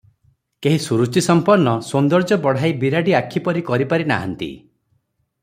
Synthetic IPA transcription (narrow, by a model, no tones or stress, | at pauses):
keɦisuɾut͡ʃisɔmpɔɾnɔsond̪ɔɾd͡ʒɔbɔɽ̤ajbiɾaɖiakʰipɔɾikɔɾipaɾina̰ɦa̰nt̪ḭ